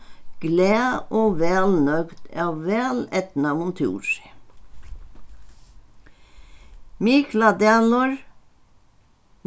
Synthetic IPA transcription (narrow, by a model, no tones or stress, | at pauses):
ɡ̥læːʔoːʋɛːlnœɡd̪æːʋʋæːlɛt̪n̩ɑmʊnt̪ʰṵːʃ | miːklɑd̪ɛlɔɹ